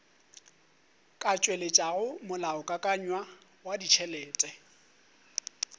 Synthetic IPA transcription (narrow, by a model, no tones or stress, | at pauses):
kʼat͡ʃʼwelet͡ʃʼaɣʊmʊlaʊkʼakʼaɲwa | wadit͡ʃʰɛlɛːtʼɛ